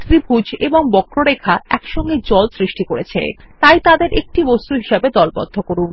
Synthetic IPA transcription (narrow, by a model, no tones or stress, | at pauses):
t̪ɾibʱud͡ʑʱḛboŋbɔkɾoɾekʰaɛkʃɔŋɡed͡ʑɔlsɾiʃʈikoɾet͡ɕʰḛt̪ajt̪ad̪eɾʔek̚ʈibɔst̪uɦiʃebed̪ɔlbɔ̰d̪ʱːokoɾun